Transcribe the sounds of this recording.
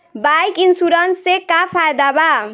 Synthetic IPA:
bajkinsuɾʌnsekapʰajd̪aba

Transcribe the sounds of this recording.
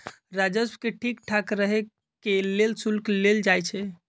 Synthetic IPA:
ɾad͡ʒəsbkeʈʰikʈʰakɾəɦe | kelelsulkleld͡ʒajt͡ʃʰɛ

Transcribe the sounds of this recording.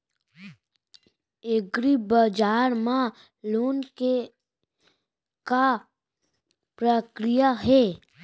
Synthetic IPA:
eɡɾibəd͡ʒaːɾmã | loːnke | ka | pɾəkɾijaɦɛː

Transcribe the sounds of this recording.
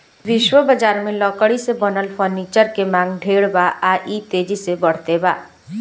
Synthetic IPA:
ʋɪʃwəbəd͡ʒaːɾmẽlɔːkəɽisebənəlpʰɔɾniːt͡ʃəɾkemãːŋɡɖʱeːɽbaʔaːʔit̪eːd͡ʒisebəɽ̤t̪ebaː

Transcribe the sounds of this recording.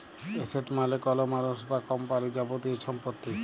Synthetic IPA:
eseʈmalekɔlomaɾosbakɔmpaɾid͡ʒabot̪ieʃɔmpot̪ːi

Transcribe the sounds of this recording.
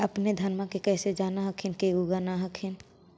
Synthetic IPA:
ɐpned̪ʱɐnmãkekɛːsed͡ʒaːnaɦəkʰɪnkeuɡanaɦəkʰɪn

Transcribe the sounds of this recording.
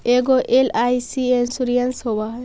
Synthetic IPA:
eɡɔʔelajsiensuɾijanshoba

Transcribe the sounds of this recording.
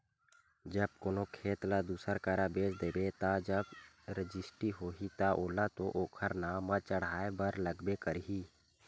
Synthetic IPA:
d͡ʒəb̚koːnokʰeːt̪lad̪uːsəɾkaːɾabeːsd̪eːbet̪ad͡ʒəb | ɾɪd͡ʒɪsʈiɦoːɦit̪aʔoːlat̪oʔoːkʰəɾnamãt͡ʃəɽ̤aːebəɾləɡbekəɾɦiː

